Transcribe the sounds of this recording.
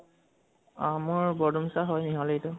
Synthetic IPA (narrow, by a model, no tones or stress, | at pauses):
amɔɹbɔdumsaɦɔjniɦɔletʊ